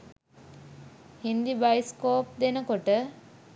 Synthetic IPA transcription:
hind̪ibajskoːp̚d̪enəkoʈə

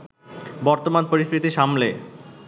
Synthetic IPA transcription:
bɔɾt̪omanpoɾiʃkɾit̪iʃamle

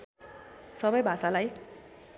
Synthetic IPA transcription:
sʌbʌjbʱasalaj

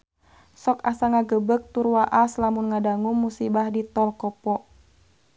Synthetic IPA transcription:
sɔkasaŋaɡəbək̚t̪urwaʔaslamunŋadaŋuŋːusibahdit̪ɔlkɔpɔʔ

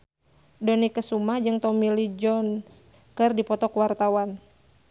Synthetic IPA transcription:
dɔnikəsumahd͡ʒɨŋt̪ɔmilid͡ʒɔns | kɨrdipɔt̪ɔkwart̪awan

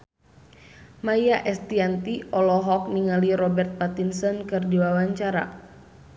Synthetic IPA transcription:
majaʔɛst̪iant̪iʔɔlɔɦɔk̚niŋaliɾɔbɛrt̪̚pat̪insɔnkɨrdiwawaɲt͡ʃaɾa̰

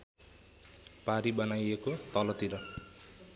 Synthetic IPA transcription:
paɾibʌnajekot̪ʌlʌt̪iɾʌ

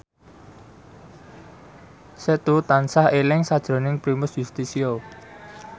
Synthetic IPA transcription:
set̪ut̪ansahelɪŋsad̥ʒ̥ɾo̤nɪŋpɾimʊsjust̪isio

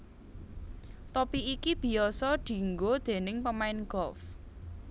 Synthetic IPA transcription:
t̪ɔpiikib̥i̤ɔsɔɖ̪̥i̤ŋɡod̪̥e̤nɪŋpəmaɪnɡ̥ɔf

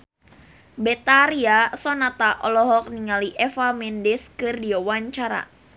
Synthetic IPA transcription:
bɛt̪aɾiasɔnat̪aʔɔlɔɦɔk̚niŋaliʔɛfamɛndɛskɨrdiawaɲt͡ʃaɾa̰

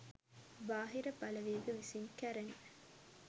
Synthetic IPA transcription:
baːɦiɾɐbɐlɐʋeːɡəʋisiŋkæɾɐŋe

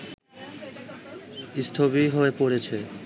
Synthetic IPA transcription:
ist̪ʰobiɦoepoɾet͡ɕʰe

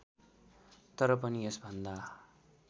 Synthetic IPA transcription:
t̪ʌɾʌp̬ʌniesbʱʌnd̪a

